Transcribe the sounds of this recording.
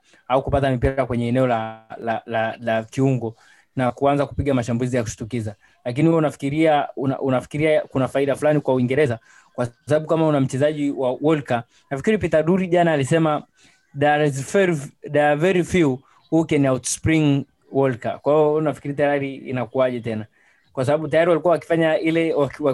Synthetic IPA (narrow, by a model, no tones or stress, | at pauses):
aukupatamipiɾakwɛɲɛːnɛɔlalalalakiuŋɡɔ | nakuanzakupiɠamaʃambulizijaku̥ʃi̥tukiza | lak̬inihuwunafikiɾiauna̰ʔunafi̥kiɾiakunafaiɗafulanikwauiŋɡɛɾɛza | kwasaɓaɓukamaunam̩t͡ʃɛzaʄiwawɔlka | nafi̥kiɾipitaɗuɾiʄanaːlisɛma | ɗazfɛɗaavɛɾifiu | hukɛniawtspɾiŋ | wɔlka̰kwaijɔnafi̥kiɾitajaɾiḭnakuaʄɛtɛna | kwasaɓaɓutajaɾiwalikuawaki̥faɲailɛawa